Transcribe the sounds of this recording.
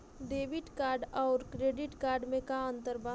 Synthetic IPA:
ɖeːʋɪʈkaːɾɖɔːɾkɾeːɖɪʈkaːɾɖmẽkaə̃nt̪əɾba

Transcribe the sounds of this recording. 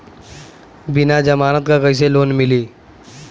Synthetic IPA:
bɪnad͡ʒɐmaːnət̪kakəɪs̬eloːnmɪliː

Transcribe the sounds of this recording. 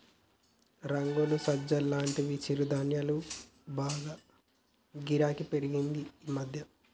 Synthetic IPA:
ɾɐŋɡolusɐd͡ʒɐlːaːɳʈiʋit͡ʃiɾud̪anjɐlu | baːɡaː | ɡiɾaːkipeɾiɡind̪iimɐd̪ʱjɐ

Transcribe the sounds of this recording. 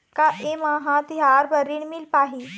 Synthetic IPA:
kaʔemaːɦãt̪ɪɦaːɾbɐɾiɳ̃mɪlpaːɦiː

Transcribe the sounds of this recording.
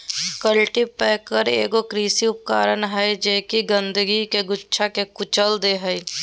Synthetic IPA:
kəlʈipɛːkəɾḛːɡokɾiːsiʊp̚kaːɾənɦɛjd͡ʒeːkiɡə̃nd̪əɡikeɡʊtːʃʰakekʊt͡ʃəld̪eɦɛi

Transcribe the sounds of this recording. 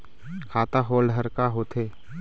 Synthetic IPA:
kʰaːt̪aɦoːlɖɦəɾkaɦoːt̪ʰeː

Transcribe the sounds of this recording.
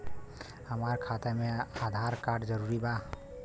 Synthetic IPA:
həmaɾkʰat̪emead̪ʱaɾkaɖd͡ʒəɾuɾiba

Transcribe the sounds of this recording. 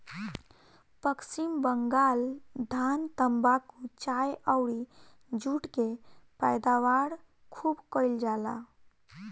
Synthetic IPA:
pəksimbəŋɡaːld̪ʱant̪əmbakut͡ʃajəwɽi | d͡ʒuːʈkepɛjd̪aʋaɽ | kʰuːbkəld͡ʒala̰

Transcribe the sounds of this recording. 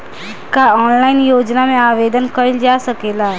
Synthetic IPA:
kaɔːnlaːɪnjoːd͡ʒnamẽaːʋeːd̪ənkəld͡ʒaːsɐkeːlaː

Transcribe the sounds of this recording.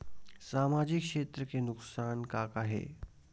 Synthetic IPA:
saːmaːd͡ʒɪkʃeːt̪ɾəkenʊksaːnkaːkaɦḛː

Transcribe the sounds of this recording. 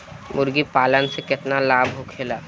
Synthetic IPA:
mʊɾɡipaːlənsekɪt̪nalaːbʱɦokʰeːlaː

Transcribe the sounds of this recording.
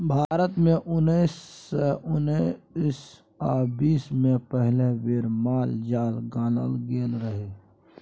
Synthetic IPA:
bʱaːɾət̪mẽʔʊnis | ʊns | aːbiːsmẽpəɦleʋeːɾmaːld͡ʒaːlɡaːnə̰lɡeːlɾəɦe

